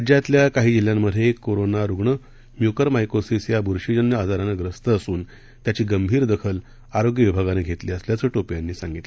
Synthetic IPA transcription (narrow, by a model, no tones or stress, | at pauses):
d͡ʑjat̪ljakaɦiːd͡ʑil̤jamːəd̪ʱjekoɾonaɾuɡɳə | mjukəɾmajkosisjabʱuɾʂid͡ʑənjəad͡zaɾanaɡɾəst̪əəsuːn | t̪jat͡ɕiːɡəmbʱiːɾd̪əkʰəl | aɾoɡjəʋibʱaɡaneɡʱet̪liːəsljat͡səːʈopjanːiːsãŋɡit̪lə